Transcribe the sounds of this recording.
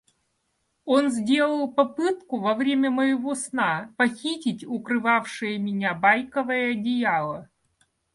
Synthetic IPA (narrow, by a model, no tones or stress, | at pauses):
onzʲdʲe̞lˠəlˠpɐpɨt̪kʊvɐvɾʲemʲəməjɪvo̞snapɐxʲitʲɪtʲʊkɾɨvafʂɨjəmʲɪnʲabajkəvəjəɐdʲɪjalˠə